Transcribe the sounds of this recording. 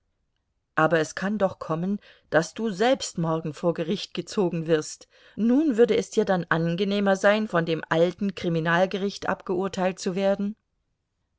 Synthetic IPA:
ʔaːbɐɛskʰandɔχkʰɔmən | d̥asd̥uːzɛlpstmɔɐɡŋ̩foːɐɡəʁɪçt̚ɡ̥ət͡soːɡŋ̩vɪɐst | nuːnvʏɐdəɛsd̥iːɐdanʔanɡəneːmɐzaɪnfɔndeːmʔaltn̩kʁ̥iminaːlɡəʁɪçtʔa̰pɡ̥əʊɐtʰaɪlt̚t͡suveːɐdn̩

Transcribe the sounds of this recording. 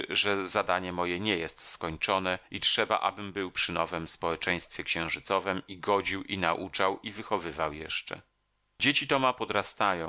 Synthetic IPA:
ʐɛzad̪aɲɛmɔjɛɲɛjɛst̪skɔɲt͡ʂɔnɛitʂɛba̰ʔa̰bɘmbɘwpʂɘnɔvɛmspɔwɛt͡ʂɛj̃st̪fʲjɛkɕɛ̃w̃ʐɘt̪sɔvɛmiɡɔd͡ʑiwinaʔut͡ʂawivɘxɔvɘvawjɛ̰ʂt͡ʂɛ̰ | d͡ʑet͡ɕit̪ɔmapɔd̪ɾast̪ajɔ̃

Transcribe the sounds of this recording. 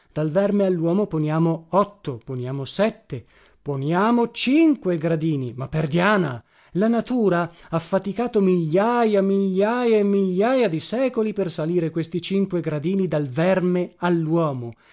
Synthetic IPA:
d̪̥alvɛrmealːwɔːmoponjaːmoɔt̪ːoponjaːmosɛt̪ːe | ponjaːmot͡ʃiŋkweɡɾad̪iːnimapːerd̪jaːna̰ | lanat̪uːɾaafːat̪ikaːt̪omiʎːaːjamiʎːaːjaemːiʎːaːjad̪isɛːkolipersaliːɾekwest̪it͡ʃiŋkweɡɾad̪iːnid̪alvɛrmealːwɔːmo

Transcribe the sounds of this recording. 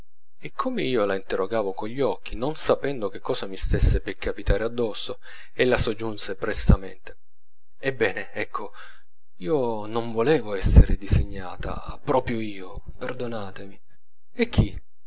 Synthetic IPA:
ekʰːomeiːolaint̪erːoɡaːvokoʎːɔkʰːinonsapɛnd̪ok̟ekʰːɔːsamist̪esːepekʰːapit̪aːɾead̪ːɔsːo | elːasod͡ʒːunsepɾest̪amḛnt̪e̥ | ebːɛːneɛkʰːo | iːonoɱvolɛːvoɛsːeɾed̪izeɲːa̰ːt̪a̰ | pɾɔːpɾjoiːo | perd̪onaːt̪emi | ekʰːi

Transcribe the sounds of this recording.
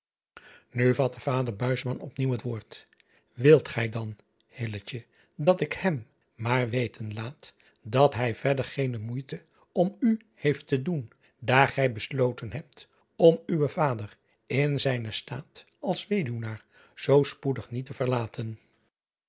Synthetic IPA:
nyvɑt̚dəv̥aːdəɹbœɥsmɑnɔpniwɦətʋoːɹt | ʋɪlˠtχɛjdɑn | hɪlət͡ʃə | dɑtɪkhɛm | maːɹʋejtʰənlaːt | dɑtɦɛjvɛɹdəɹχejnəmujtə | ɔmy | hejftədun | daːɹχɛjbəslowtənɦɛp̚t | ɔmywəvaːdər | ɪnzɛjnəsta̰ːt | ɑlˠsʋejdunaːɹ | z̥owspudəχnitəvəɹlaːtʰən

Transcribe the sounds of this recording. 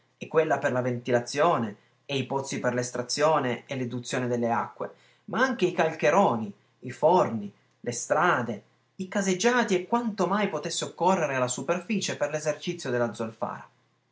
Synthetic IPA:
ɛkːwelːaperlavent̪ilat̪sːjoːne | eipɔt̪sːiperlest̪ɾat̪sːjoːneelːed̪ut̪sːjoːned̪elːea̰kːwḛ | maaŋk̟eikalkeɾoːni | ifɔrni | lest̪ɾaːd̪e | ikazed͡ʒːaːt̪iekːwant̪omajpot̪esːeokːorːeɾealːasuperfiːt͡ʃeperlezert͡ʃit̪sːjod̪elːad̪zolfa̰ːɾa

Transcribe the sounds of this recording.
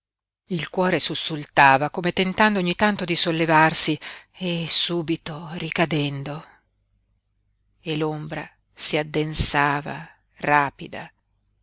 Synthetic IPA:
ilkwɔːɾesusːult̪aːvakoːmet̪ent̪and̪oɲːit̪ant̪od̪isolːevarsiesuːbit̪orikad̪ɛnd̪o | elombɾa̰ | siad̪ːensaːva̰ | raːpid̪a̰

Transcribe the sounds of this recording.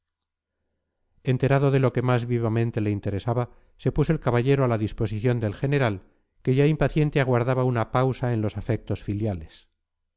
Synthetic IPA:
e̞nt̪e̞ɾaðo̞ðe̞lo̞ke̞mazβiβamẽ̞nt̪e̞le̞int̪e̞ɾe̞saβa | se̞pus̬o̞e̞lkaβaʎe̞ɾoalaðispo̞siθjo̞nd̪e̞lxene̞ɾal | ke̞ʝaimpaθje̞nt̪eaɣwaɾðaβaunapawsae̞nlo̞safe̞k̚t̪o̞sfiljale̞s

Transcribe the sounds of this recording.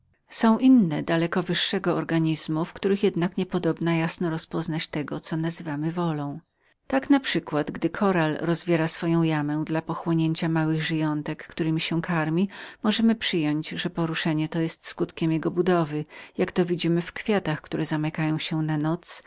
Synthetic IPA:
sɔ̃w̃ʔinːɛd̪alɛkɔvɘʂːɛɡɔɔɾɡaɲizmufkt̪uɾɘxjɛd̪nakɲɛpɔd̪ɔbnajasnɔɾɔspɔznat͡ɕt̪ɛɡɔt̪sɔnazɘvamɘvɔlɔ̃w̃ | t̪aknapʂɘkwad̪ɡd̪ɘkʰɔɾalɾɔzvʲjɛɾasfɔjɔ̃w̃jamɛw̃d̪lapɔxwɔɲeɲt͡ɕamawɘɣʐɘjɔnt̪ɛkːt̪uɾɘmʲiɕɛ̃kʰaɾmʲimɔʐɛmɘpʂɘjɔɲd͡ʑʐɛpɔɾuʂɛɲɛt̪ɔjɛst̪skut̪kʲɛmjɛɡɔbud̪ɔvɘjakt̪ɔvʲid͡ʑimɘfkfʲjat̪axkt̪uɾɛzamɛkajɔ̃w̃ɕɛnanɔt̪s

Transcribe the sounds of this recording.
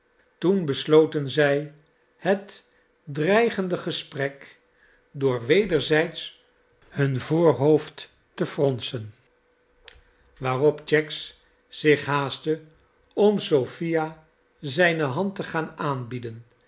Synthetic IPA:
tunbəslowtənzɛj | hət | drɛjχəndəχəsprɛk | dʊːɹʋejdəɹzɛjts | hɵnvoːɹɦowft | təfrɔnsən | ʋaːrɔpt͡ʃɛks | z̥ɪχɦaːstə | ɔmsowfija | zɛjnəɦɑntəχaːnaːnbidən

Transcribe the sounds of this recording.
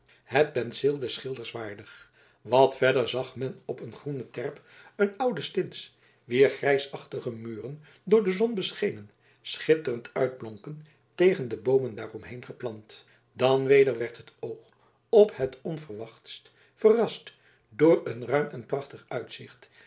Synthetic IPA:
hət̚pɛnsɪlˠdɛsχɪlˠdəɹsʋaːɹdəχ | ʋɑtfɛdəɹzɑχmɛnɔpənχrunətɛɹpənʌwdəstɪns | ʋɪːɹχrɛjsɑχtəχəmyːrən | dʊːɹdəzɔnbəsχejnən | sχɪtərəntœɥd̚blɔŋkən | tejχəndəbowməndaːrɔmɦejnχəplɑnt | dɑnʋejdəɹʋɛɹtɦətowχ | ɔphətɔnvərʋɑχtst | fərɑst | dʊːɹənrœɥmɛnprɑχtəχœɥtsɪχt

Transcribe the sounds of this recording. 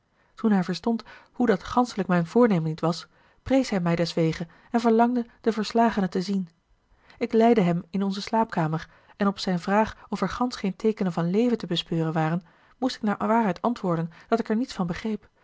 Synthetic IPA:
tunɦɛjvəɹstɔnthudɑtχɑnsələkmɛjnvʊːɹnejmənːitʋɑs | prejsɦɛjmɛjdɛsʋejχə | ɛnvəɹlɑŋdəd̥əvəɹslaːχənətəzin | ɪklɛjdəɦɛmɪnɔnzəslaːp̚kaːməɹ | ɛnɔpsɛjnvraːχɔfɛɹχɑnsχejntʰejkənənvɑnlejvəntəbəspøːrənʋaːrən | mustɪ̥k̚naːɹʋaːɹɦɛjtɑntʋʊːɹdənd̥ɑtɪkɛɹnitsfɑnbəχrejp

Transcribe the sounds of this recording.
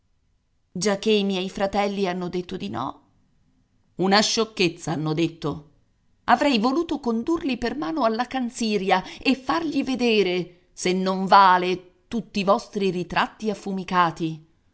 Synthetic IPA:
d͡ʒak̟ːeimjɛjfɾat̪ɛlːianːod̪et̪ːod̪inɔ̰ | unaʃːokːet̪sːaanːod̪et̪ːo | avɾɛjvoluːt̪okond̪urlipermaːnoalːakant̪siːɾjaefːarʎived̪eːɾe | senːoɱvaːle | t̪ut̪ːivɔst̪ɾirit̪ɾʔat̪ːiafːumikaːt̪i

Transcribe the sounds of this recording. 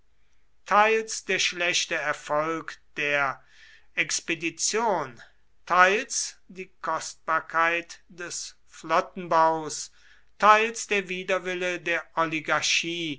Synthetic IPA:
tʰaɪlsd̥eːɐʃlɛʃtəɛɐfɔlkd̥eːɐ | ʔɛkspedit͡sjoːn | tʰaɪlsd̥iːkʰɔst̚b̥aːɐkʰaɪtd̥ɛs | flɔtn̩baʊs | tʰaɪlsd̥eːɐviːdɐvɪlədeːɐʔɔliɡaɐʃiː

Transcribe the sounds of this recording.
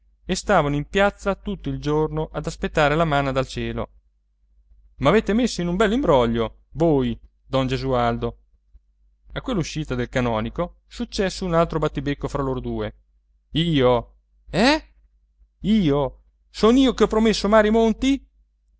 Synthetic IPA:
est̪aːvanoimpjat̪sːat̪ut̪ːoild͡ʒornoʔad̪aspet̪ːaːɾelamanad̪alt͡ʃɛːlo̰ | maːveːt̪emesːoinumbɛlːimbɾɔʎːo | voːj | d̪ɔnd͡ʒezuald̪o | akːwelːuʃːiːt̪ad̪elkanɔːniko | sut͡ʃːɛsːounalt̪ɾobat̪ːibekːofɾaloːɾod̪uːe | iːo | ɛ | iːo | soːniːokeɔpɾomesːomaːɾjimont̪i

